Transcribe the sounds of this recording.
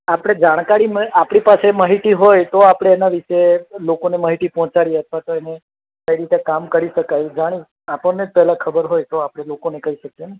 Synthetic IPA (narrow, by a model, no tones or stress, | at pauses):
apɽ̃ed͡ʒaɽ̃kaɾimapɽ̃ipaseməɦiʈ̪iɦojt̪oapɽ̃eːnaʋiʃelokoneməɦiʈipɦɔ̃t͡ʃaɽiət̪ʰʋat̪oene | kəiɾit̪ekamkəɾiʃəkajud͡ʒaɽ̃i | apəɳned͡ʒpɛɦlãkʰəbəɾɦojt̪oapɽ̃elokonekəɦiʃəken